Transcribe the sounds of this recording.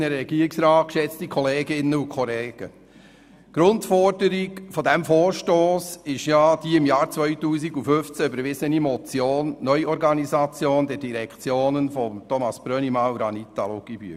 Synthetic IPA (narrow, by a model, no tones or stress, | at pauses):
nəɾɛɡiːɾiksɾɑːt̚kʃɛt͡stikʰɔleːɡɪnːəukʰɔleːɡ̥ə | ɡ̥ɾʊntfɔɾdəɾiɡfodæmfoːɾʃtoːsɪʃjɑːd̥iːɪmjɑːɾt͡sʋœʏtuːsiɡufʏft͡sæʏbəɾʋɪzənimɔt͡sjoːnːœʏɔɾɡɑnizɑt͡sjoːnd̪ɛɾdiɾɛkʰt͡sjoːnənfɔmt̪ɔmɑsb̥ɾœnimɑwɾɑnit̪ɑloɡiby̰ː